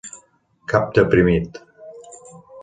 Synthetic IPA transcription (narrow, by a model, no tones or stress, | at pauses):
kʰap̚t̪epɾimit̪